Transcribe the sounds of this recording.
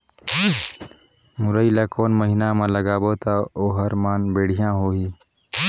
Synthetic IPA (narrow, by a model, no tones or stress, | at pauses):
mʊɾəilakoːnməɦinamãləɡaːbot̪aoːɦəɾmaːnbeːɽ̤ijãɦoːɦiː